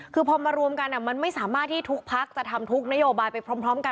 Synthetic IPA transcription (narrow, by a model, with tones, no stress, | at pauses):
kʰɯː˧pʰɔː˧maː˧ɾu˧əmka˧nʔa˨˩ma˧nma˥˩jsaː˩˦maː˥˩t̪̚ʰːiː˥˩t̪ʰu˦˥k̚pʰa˦˥k̚t͡ɕa˨˩t̪ʰa˧mt̪ʰu˦˥k̚na˦˥joː˧baː˧jpa˧jpʰɾɔː˦˥mpʰɾɔː˦˥mka˧